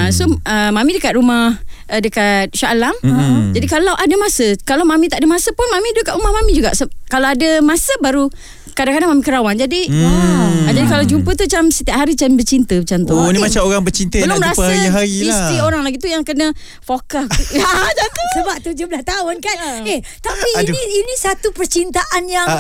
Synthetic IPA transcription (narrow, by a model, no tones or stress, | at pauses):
asoəmãmĩdəkat̪̚ɾumah | ədəkat̪̚ʃalamd͡ʒadikalawʔadamasəkalawmamĩt̪aʔadəmasəpʊnmamĩdəkat̪ʔɾumahmamĩd͡ʒuɡa̰ʔsəkalawadəmasəbaɾu | kadaŋkadaŋmamĩkəɾawand͡ʒadi | d͡ʒadikalawd͡ʒumpət̪uat͡ʃamsət̪iaʔɦaɾit͡ʃanbərt͡ʃint̪əmat͡ʃamt̪unimat͡ʃamoɾaŋbərt͡ʃint̪əbəlʊməɾasiɦailast̪ioɾaŋlaɡit̪ujaŋkənə | fokast̪at̪usəbap̚t̪ud͡ʒublast̪aʊnkaneht̪apiniːnisat̪upərt͡ʃint̪aʔanjaŋ